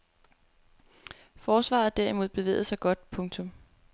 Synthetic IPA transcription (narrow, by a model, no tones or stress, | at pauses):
fɒːsʋɑ̰̈ð̩ˠd̥æɐimo̝ð̞̰ˠb̥e̝ʋḛːð̩ˠsɑ̈ɪɡ̥ɒ̽d̥̚pʰɔ̽ŋt͡sʰɔ̽m